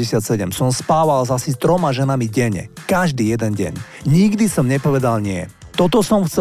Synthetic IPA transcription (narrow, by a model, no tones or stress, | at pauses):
ɛsɪat̪sɛɟɛmsɔmspaːʋalzasist̪ɾɔmaʒɛnamiɟɛɲɛ̰kaʒd̪iːjɛd̪ɛnɟɛ̰ɲ | ɲiɡd̪isɔmɲɛpɔʋɛd̪alɲɪɛ | t̪ɔt̪ɔsɔmxt͡sɛ